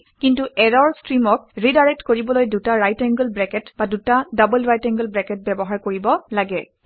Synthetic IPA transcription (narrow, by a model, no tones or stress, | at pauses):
kintuɛɹɔɹstɹimɔk̚ɹidaɹɛk̚tkoɹibɔlojdutaɹajtɛŋɡəlbɹɛkɛtbadutadabəlɹajtɛŋɡəlbɹɛkɛt̚bɛbɔɦaɹkoɹibɔlaɡɛ